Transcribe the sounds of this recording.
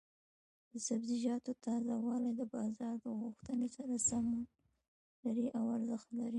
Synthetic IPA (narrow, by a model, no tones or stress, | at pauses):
d̪əsabziʒɑt̪ot̪ɑzawɑlajd̪əbɑzɑɾd̪əɣuxt̪ənesaɾasam | laɾiʔawaɾzəxt̪laɾi